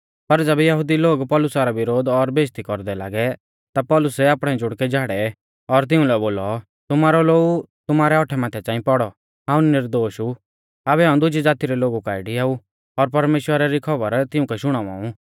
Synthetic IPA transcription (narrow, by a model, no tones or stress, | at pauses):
pɐɾd͡ʒɛbɛjɐɦʊd̪iloːɡpɔːlʊsaɾaʋɪɾoːd̪ɔɾbeːst̪ikɔɾd̪ɛla̰ːɡɛ | t̪apɔːlʊsɛaːpɽ̃ɛd͡ʒʊɽkɛd͡ʒaːɽɛ | ɔɾt̪̬ɪũlɛboːlɔ | t̪ʊmaːɾɔloːɡu | t̪ʊmaːɾɛɔːʈʰɛmaːt̪ʰɛt͡sãːĩpɔɽɔ | ɦãːʊ̃nnɪɾd̪oːʃu | aːbɛɦaːũd̪ʊd͡ʒid͡zaːt̪iɾɛloːɡukaːɪɽiaːu | ɔɾpɐɾmeːʃwəɾaɾikʰɐbəɾt̪ɪũkɛʃʊɽ̃aʋa̰ːũ